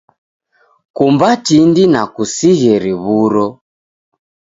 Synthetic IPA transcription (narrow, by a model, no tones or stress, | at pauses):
kumbatindinakusiɣɛɾiβuɾɔ